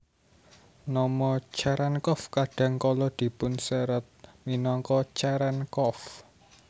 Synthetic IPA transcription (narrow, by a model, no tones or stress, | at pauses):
nɔmɔt͡ʃɛɾɛnkɔfkaɖ̥ä̤ŋkɔlɔd̪̥i̤pʊnsɛɾət̪̚minɔŋkɔt͡ʃɛɾɛnkɔf